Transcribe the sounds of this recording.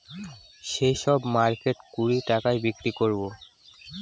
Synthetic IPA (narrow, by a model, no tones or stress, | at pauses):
ʃejʃɔbmaɾkeʈkuɾiʈakajbikɾikoɹbo